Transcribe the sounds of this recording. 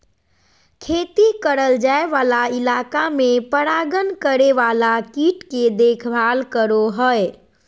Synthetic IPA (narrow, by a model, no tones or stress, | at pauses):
kʰet̪ikəɾəld͡ʒaeʋalailakamepəɾaɡənkəɾeʋalakiʈked̪ekʰbʱalkəɾoɦəe